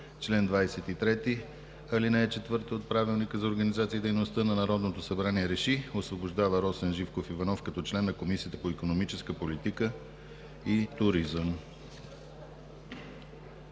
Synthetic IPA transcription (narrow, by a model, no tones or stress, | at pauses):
t͡ʃlɛnd̪vajsɛt̪it̪ɾɛt̪i | ɐlinɛɛt͡ʃɛt̪vɤɾt̪iot̪̚pɾavilˠnikəzɐoɾɡənizat̪siːd̪ɛjnost̪ənɐnɐɾɔd̪not̪osɐbɾaniɛɾɛʃiosvoboʒd̪avəɾɔsɛnʒifkofivɐnɔfkɐt̪ɔt͡ʃlɛnːɐkomisijət̪ə̥poikonomit͡ʃɛskəpolit̪ikə | it̪ʊɾizəm